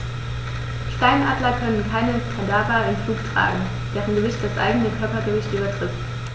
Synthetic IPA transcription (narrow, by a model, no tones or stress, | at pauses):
ʃtaɪnʔaːdlɐkʰœnənkʰaɪnətʰadaːʁaɪnfluːktʁ̥a̰ːɡŋ̩ | d̥eːʁənɡəvɪçt̚d̥asʔa̰ɪɡənəkʰœɐpɐɡəvɪçtʔyːbɐtʁ̥ɪtt